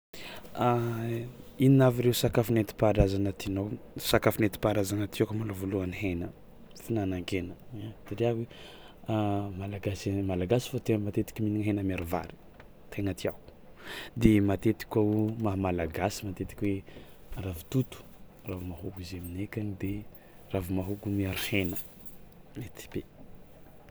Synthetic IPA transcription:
a | ininaviɾeusakafunet̪i̥paɾazanət̪inosakafunet̪i̥paɾazanət̪iakmalovoluaniɦenə | finanaŋkenəat̪iɾaɦe | malaɡasimalaɡasi̥fat̪eŋəmat̪et̪i̥kʲiminiŋɦenəmaɾiva̰ɾi̥ | t̪ʰeŋat̪iaku̥d̪emat̪et̪i̥kʲaumaɦmalaɡasimat̪et̪i̥kʲweravu̥t̪ut̪u̥ | ravumaɦukuzeminekʲanid̪e | ravumaɦukumiaɾihenə | met̪i̥b̥e

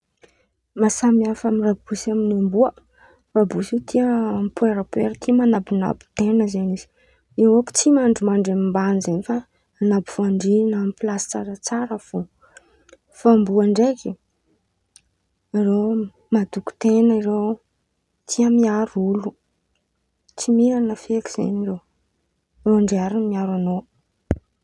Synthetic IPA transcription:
masamiafamirab̥usaminambuə | rabusit̪ʰiəmpueɾapweɾt̪ʰimanabina̰bi̥t̪enəzeniz̥i̥ | ewoku̥t͡simaɳɖ͡ʐumaɳɖ͡ʐamimbanizenifa | anabifoaɳɖ͡ʐinamipilasi̥t͡saɾət͡saɾəv̥o | fambuaɳɖ͡ʐeki | iɾe | mad̪uku̥t̪enəiɾew | t̪ʰiamiaɾulu | t͡simiɾanəfeki̥z̥ḛɲire | reaɳɖ͡ʐeaɾunmiaɾano

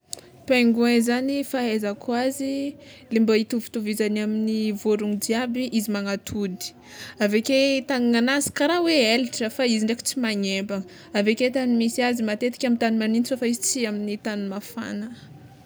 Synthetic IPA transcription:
peŋɡuezanifaɦezakwazilimbait̪uvi̥t̪uvizanaminivoɾuŋdiabiʔizimaŋat̪ʰud̪i̥ | aveket̪aŋiŋanazi̥kaɾaweeliʈ͡ʂəfaiziɳɖ͡ʐeki̥t͡simaɲembaŋə | aveket̪animisiazimat̪et̪i̥kʲamint̪animaninisofaizit͡siaminit̪animafa̰nə

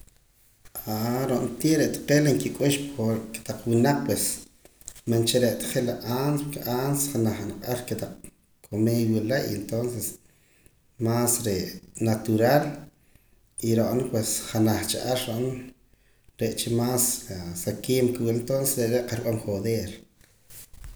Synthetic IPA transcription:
aɾoʔnt̪iːʔɾeʔt̪ḁqelaŋkikʼuʃpokt̪aq͡χwinaq͡χ̚pwes | mant͡ʃeɾeʔt̪ḁχelaaːnspukeʔanse̥χanaχnaqʼaɾket̪aq͡χ̚ | kʰomewiʔlaʔient̪onses | masɾeʔnat̪uɾaːl | iɾoʔnpwesχanaχt͡ʃaʔaɾːoʔn | ɾeʔt͡ʃimaːsasakiːmkiwilent̪onsesɾeʔɾeʔqaɾɓamχoðeːɾ

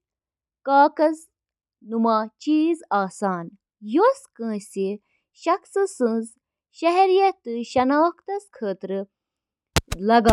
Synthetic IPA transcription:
kaːkɐz | numaːt͡ʃiːzaːsaːn | joskɐ̃ːsi | ʃɐksɨsɨ̃nz | ʃɐɦeɾjɐt̪ɨʃɐnaːʋɐkt̪ɐskʰəːt̪ɾɨ | lɐɡa

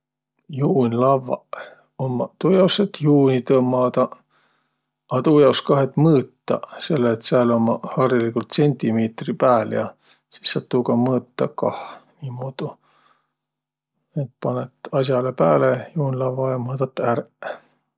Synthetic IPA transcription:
juːnʲlɑvːɑ̰ | omːɑt̪uːjɑwset̪juːnʲit̪ɤmːɑːd̪̥ɑ | ɑt̪uːjɑwskɑɦe̞t̪ˑmɤːt̪ːɑ̰se̞lːeːt̪sælomːɑhɑrilikult̪se̞nʲt̪ʲimeːt̪ripæːljɑ̰ | si̥sːɑt̪ːukɑmɤːt̪ːɑkɑhnʲiːmːod̪̥u | et̪̚pɑnet̪ˑɑs̬ʲjɑlepæːlejuːnʲlɑvːɑjɑmɤːd̪ɑt̪ːær

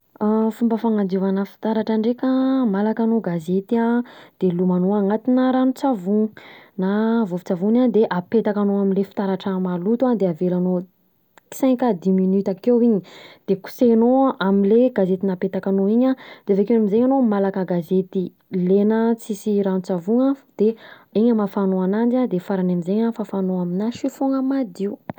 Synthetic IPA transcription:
afumbəfaŋand̪uvanəfi̥t̪aɾaʈ͡ʂaɳɖ͡ʐekəmalakanoɡazet̪iad̪̥elumanoaŋat̪inəɾanut͡savunavuvit͡savunad̪eʔapet̪akanoaminlefi̥t̪aɾaʈ͡ʂəmalut̪uad̪eavelano | ki̥sɛ̃ŋkad̪iminyt̪akewiɲi̥d̪̥eku̥senoʔamileɡazet̪inapet̪akanoiɲad̪eavekeamizeɲanomalakəɡazet̪i | lenət͡sisiɾanut͡savuŋad̪̥e | iɲamafanoanand͡ʒad̪efaɾanamizeɲafafanoaminaʃifuŋəmad̪iu

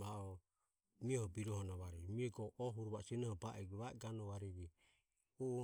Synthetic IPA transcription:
βaɔ | miɛhɔbiɾɔhɔnɔβaɾiβimiɛɡɔʔɔɦuɾuβasɛnɛhɔbaʔɛɡuβaɛɡanɔβaɾiβi | u

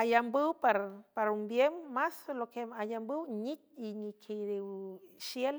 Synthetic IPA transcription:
ajambɨwpaɾpaɾumbjemːaslokemajambɨwɲit̪̚iɲikʰejd̪eʃjel

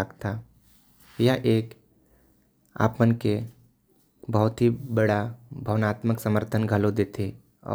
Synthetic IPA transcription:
akt̪ʰa | jaʔeːk | a̰ːpmənke | bəɦʊt̪ɦibəɽabʱəʋnaːt̪məksəməɾt̪ʰənɡʱəlod̪eːt̪ʰe | ɔ̰ː

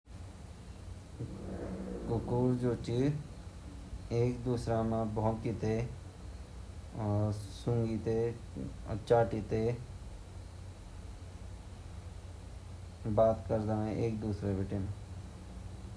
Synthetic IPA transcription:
kʊkuːɾd͡ʒoːt͡ʃi | eːkd̪uːsɾãmãbʱoːmkit̪e | sʊŋɡit̪e | ə̰t͡ʃaːʈit̪e | baːt̪kəɾd̪aːeʔeːk̚d̪uːsɾebeʈemã

